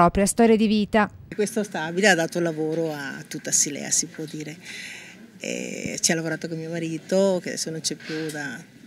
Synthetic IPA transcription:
ɔpɾjast̪ɔːɾjad̪iviːt̪akwest̪ost̪abilead̪aːt̪oulːavoːɾoat̪ːut̪ːasilɛ̰ːa̰sipwɔd̪ːiːɾe | ɛ̰t͡ʃialavoɾaːt̪okommiomaɾiːt̪okead̪ɛ̰sːonont͡ʃɛpjud̪a

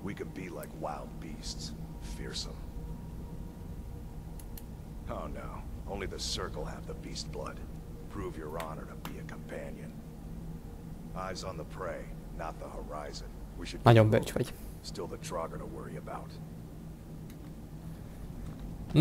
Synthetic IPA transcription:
wikɨ̃n̚bilaɪkwaɪlˠd̚bists | fɪɹsə̰̃m | oʊno̰ʊõʊ̃nliðɨsɜ˞kl̩ˠə̰vðəbist̚b̥lʌ̰d̥ | pʰɹ̥uvjə˞ɑnə̰˞ɾəbiɨkʰə̃m̩pʰæ̃njɨ̰̃n | ʔaɪzn̩ðəpʰɹ̥eɪ | nət̪̚ðəhə˞aɪzɨ̃nwiʃɨd̚ajə̃mbɜt͡ʃwɪ̰ɡ | stɪlˠðətʰɹ̥ɑɡə˞ɾəwɜ˞iɨbaʊt

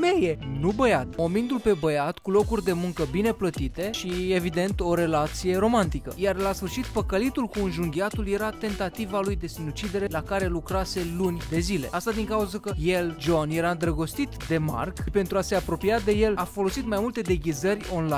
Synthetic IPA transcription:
meje̞nubəjat̪mo̞mind̪ulpe̞bəjat̪kulo̞kurʲd̪e̞muŋkəbine̞plət̪it̪e̞ʃie̞vid̪e̞nt̪o̞ɾe̞lat̪sije̞ɾo̞mant̪ikə̰jarlasfɨrʃit̪pəkəlit̪ulkuɨnʒuŋɡʲiat̪ulje̞ɾat̪e̞nt̪at̪ivalujd̪e̞sinut͡ʃid̪e̞ɾe̞lakaɾe̞lukɾase̞lunʲd̪e̞zile̞̰ast̪ad̪iŋkauzəkəje̞ld͡ʒo̞nje̞ɾaɨnd̪ɾəɡo̞st̪it̪d̪e̞ma̰rkpe̞nt̪ɾuase̞apɾo̞piad̪e̞je̞lafo̞lo̞sit̪majmult̪e̞d̪eɡʲizərʲo̞nlajn

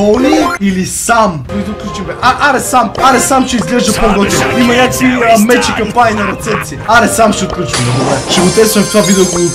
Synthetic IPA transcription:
ɔliilisamvid̪ot̪̚klʲut͡ʃimɛʔaʔaɾɛsamaɾɛsamʃɛizɡlɛʒd̪ɐpoɡɔt̪iimɐɲakvimɛt͡ʃikɐmpaninɐɾɛt̪sɛp̚t̪siiaɾɛsamʃɛot̪klʲut͡ʃɐmnɐbolɛʃɛɡot̪ɛsɐmft̪ovavid̪ɛɔɡo

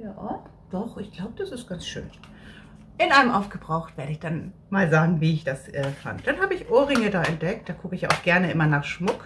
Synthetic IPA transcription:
jaː | d̥ɔχɪçɡ̥laʊbəd̥asɪst̚ɡ̥ansʃø̰ːn | ʔɪnʔaɪnəmʔaʊfɡ̥əbʁaʊxtv̥eːɐɾəɪçd̥an | maːlzaːɡŋ̩viːɪçd̥asʔɛːfa̰nt̚d̥anɦaːbəɪçʔoːʁɪŋədaːɛnt̚d̥ɛk̚td̥aːkʰʊkəɪçjaʔa̰ʊxɡ̥ɛɐnəʔɪmɐnaːχʃmʊk

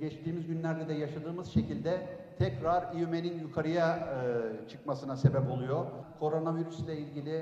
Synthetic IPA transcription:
ɟɛt͡ʃt̪iːmizɟynlʲæɾd̪ɛd̪ɛjaʃad̪ɯːmɯz̥ʃe̞cilʲd̪ɛt̪ʰɛcɾaɾijyme̞ninjukʰaɾɯja | t͡ʃʰɯ̥kmasɯnase̞bɛpo̞lˠujo̞kʰo̞ɾo̞naviɾyslʲˠailʲɟilʲɪ

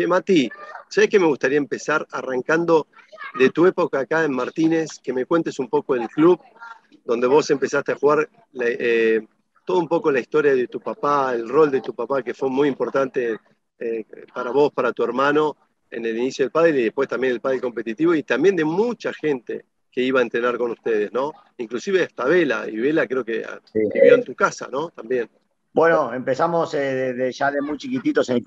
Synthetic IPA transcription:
ʒemat̪iʒ̥aehkeme̞ɣust̪aɾiaempe̞saɾaraŋkand̪o̞ | ðe̞t̪ue̞po̞kaːkaenmaɾt̪ine̞ske̞me̞kwe̞nt̪e̞sumpo̞ko̞elkluβ | d̪o̞nd̪e̞βo̞se̞mpe̞sast̪eaxuɣaɾ | laʔe | t̪o̞ðumpo̞ko̞laist̪o̞ɾjaðe̞t̪upapaelro̞ld̪et̪upapake̞fwemujimpo̞ɾt̪ant̪e | epaɾaβo̞spaɾat̪ue̞ɾmano̞ | ḛne̞linisjoðelpaðɾeiðehpwe̞st̪ambje̞nelpaðɾeko̞mpe̞t̪it̪iβoit̪ambje̞nd̪e̞mut͡ʃaxe̞nt̪ḛ | ke̞iβaent̪ɾe̞naɾko̞nust̪eð̞e̞zno̞ | iŋklusiβeaht̪aβela̰ḭβe̞lakɾeokea̰iβjoent̪ukasa̰no̞t̪ambje̞n | bwenoempesamoseðeðeʃalemujt͡ʃikit̪it̪ose

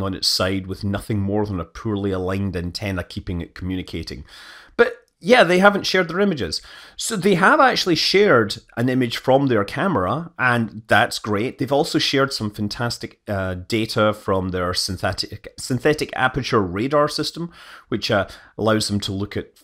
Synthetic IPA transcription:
ŋə̃nɪ̰tsaɪd̚wɪðnʌθɪ̃ŋmɔɹðə̃nəpʰʉɹlˠiəlˠãɪ̃ndɨ̃ntʰɛ̃nə˞kʰipɪ̃ŋɪ̰ʔ̚kʰəmjʉnɪkʰeʔɪ̰̃ŋb̥ʌʔ | jæðeɦavə̃ntʃɛɹd̪̚ðə˞ɪ̃mɪd͡ʒɪz̥soðeəvak̚t͡ʃʉl̩ˠiʃɛɹdʔə̃nɪ̃mɪd̥ʒ̥fɹə̃mðə˞kʰamə˞əʔə̃nðatsɡ̥ɹeʔ̚ðevɔlˠsoʃɛɹd̥sʌ̃ɱfãntʰastɪk̚ʌd̥eʔəfɹə̃mðə˞sɪ̃nθɛʔɪksɨ̃nθɛʔɪkʰa̰pət͡ʃə˞ɹedɑɹsɪstə̃mwɪt͡ʃʌə̰lˠaʊzðə̃m̩tʰəlˠʉkʰɨʔ̚

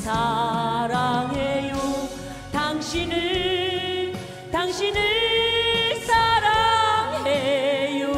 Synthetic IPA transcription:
sʰaɾaŋeju | t̪ʰaŋɕinɯ | t̪ʰaŋɕinɯ | sʰaɾaŋleju

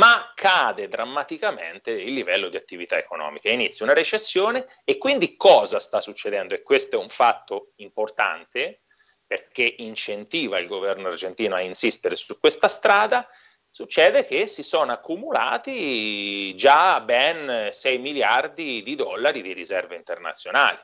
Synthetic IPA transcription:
makʰːaːd̪ed̪ɾamːat̪ikamḛnt̪eilːivɛlːod̪iat̪ːivit̪aekonɔ̰ːmikainit̪sjiunaɾet͡ʃesːjoːneː | kːwind̪ikɔːzast̪asːut͡ʃːed̪ɛnd̪oekːwest̪oɛuɱfat̪ːoimport̪a̰nt̪e | perkeʔint͡ʃent̪iːvailɡovɛrnoard͡ʒent̪iːnoainsist̪eɾesukːwest̪ast̪ɾaːd̪a | sut͡ʃːɛːd̪ek̟esisoːnoakːumula̰ːt̪i | d͡ʒabɛnsɛjmiljard̪id̪id̪ɔlːaɾid̪iɾizɛrveint̪erna̰t̪sːjona̰ːli

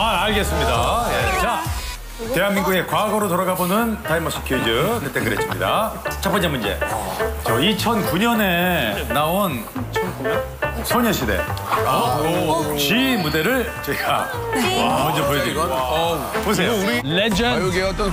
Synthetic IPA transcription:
aːɭɡe̞s͈ɯmɲidaje̞t͡ɕa | te̞ɦanmiŋɡuɡe̞kwaɡʌɾotoɾaɡabonɯntaimʌs͈ʰi̥kʰjud͡ʑɯtet͈eŋɡɯɾes͈ɯmɲida̰t͡ɕʰap͈ʌnd͡ʑamund͡ʑe̞̰t͡ɕʌit͡ɕʰʌnkuɲʌne̞naon | t͡ɕʰ | sʰoɲʌɕʰide̞̰ | ot͡ɕimude̞ɾɯɭt͡ɕeɡa̰ | amʌnd͡ʑʌpojed͡ʑe | mosʰejled͡ʑʌn

